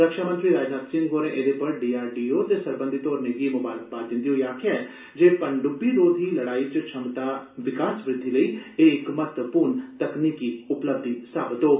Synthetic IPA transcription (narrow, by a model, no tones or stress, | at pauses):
ɾəkʃaːmənt̪ɾiːɾaːd͡ʒnaːt̪sɪŋɡoːɾẽːʔed̪eːpəɾɖiːaːɾɖiːoːt̪eːsəɾbə̃nd̪it̪oːɾneɡiːmʊbaːɾək̚baːd̪ɪ̃nd̪iːɦoːiaːkʰeɛː | d͡ʒeːpəɳɖʊbiːɾoːd̪iːləɽaːiːt͡ʃt͡ʃʰəmt̪aːʋɪkaːsʋɾɪd̪ʱːiːləiːeɪkmət̪əpuːɾnt̪əkniːkiːʊpləb̚d̪isaːbət̪ɦoː